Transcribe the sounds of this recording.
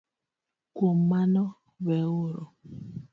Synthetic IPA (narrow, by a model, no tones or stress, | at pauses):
komanɔ | βɛoɾɔ